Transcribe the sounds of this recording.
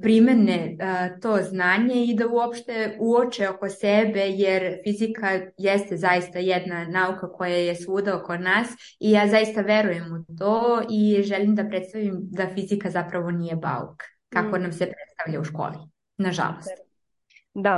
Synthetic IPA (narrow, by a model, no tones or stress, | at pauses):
pɾimeneət̪oːznaːɲe̞id̪auopʃt̪e̞uot͡ʃeoko̞sebejeɾfizikʰajɛst̪ezajist̪ajɛd̪nanaukako̞jajesuːd̪aokonaːs | ijaːzaist̪aʋeɾuje̞mut̪oːiʒɛlimd̪apɾet̪st̪aʋimd̪afizikazapɾaʋo̞nijeba̰ṵk | kako̞namsepɾet̪st̪aʋʎauʃko̰ːli | naʒa̰lost̪ | d̪a